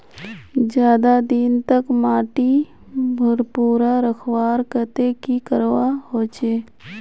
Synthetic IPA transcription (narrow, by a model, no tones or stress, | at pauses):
d͡ʒjaːd̪ad̪int̪əkmaːʈi | bʱʊɾpuːɾaɾəkʰwaːɾkət̪ekikəɾwahoːt͡ʃeː